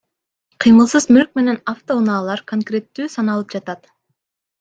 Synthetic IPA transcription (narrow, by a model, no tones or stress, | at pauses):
qʰɯjmɯlˠsɯzmyɾk̚me̞ne̞naft̪o̞unɑːlˠɑɾko̞ŋkrʲe̞t̪ːyːsɑnɑlˠɯp̚d͡ʒɑt̪ɑt̪